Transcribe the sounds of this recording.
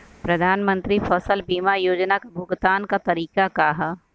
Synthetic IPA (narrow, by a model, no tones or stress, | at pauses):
pɾɐd̪ʱaːnmə̃nt̪ɾifʰɐsəlbiːmajoːd͡ʒnakabʱʊɡt̪aːnkat̪ɐɾiːkakaɦa